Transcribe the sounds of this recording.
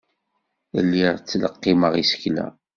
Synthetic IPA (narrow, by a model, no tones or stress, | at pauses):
lːiʁt͡sːləqːiməʁisə̥klæ̰